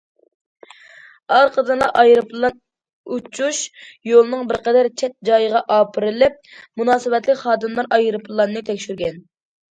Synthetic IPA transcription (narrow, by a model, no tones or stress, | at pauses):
ɑɾqʰəd̪ɨnlˠɑʔɑjɾɨpllˠːɑn | ut͡ʃʰuʃjolˠnɨŋbɪɾqɛd̪æɾt͡ʃʰɛt̪̚d͡ʒɑjəʁɑʔɑːpʰɨɾɨlɪp̚munɑːsɨbɛt̪lɪkʲχɑːd̪ɨmlˠɑɾɑjɾɨpʰlˠːɑnːɨt̪ʰɛkʲʃyɾɡʲɛn